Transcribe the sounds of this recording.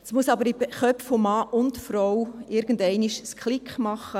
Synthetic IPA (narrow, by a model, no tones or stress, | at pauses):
smuəsɑbəɾibχœpffomɑːʔʊntfɾɔwɪɾɡ̥ən̩dɛɪniʃskχlɪkχmɑχːə